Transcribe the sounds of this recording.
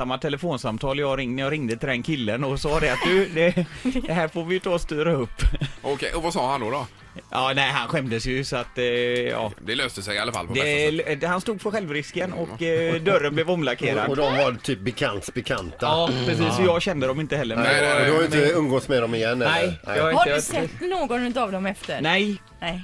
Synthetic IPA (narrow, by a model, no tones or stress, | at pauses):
samːat̪ʰɛləfoːnsamt̪ʰɑːljɑːɡɾɪŋjɑːɾɪŋd̪ət̪ʰɪld̪ɛnkʰɪlːənɔsɑːd̪ɛat̪̚d̪ʉd̪ɛd̪ɛɦæːɾfoːɾvɪjɵt̪ʰɑːɔst̪yːɾaɵpːɔkʰɛjʔɔvasɑːhand̪ɔd̪ɔ | ʔɑːnæɪɦanɧɛmd̪əsjɵsɔat̪ːɑ̰ːd̪ɛløːst̪əsɛjalafa̰lpʰɔd̪ɛɛhanst̪uːd̪̚pʰɔɧɛlvɾɪskənɔkːd̪œɾːənblɛvɔmlakʰeːɾa̰d̪ɔd̪ɔmvaɾt̪ʰyːp̚bɛkʰant̪bɛkʰant̪aɑːpʰɾɛs̬iːsːɔjɑːɡɕɛnd̪əd̪ɔmɪnt̪əhɛlːəɾmɛɔd̪ʉhaɾjʏɪnəɵnŋɡoːsmɛd̪ɔmɪjɛnːnɛɪjɑhaɾɪasɛt̪ːnoːɡɔnʉt̪avd̪ɔmɛft̪əɾnɛj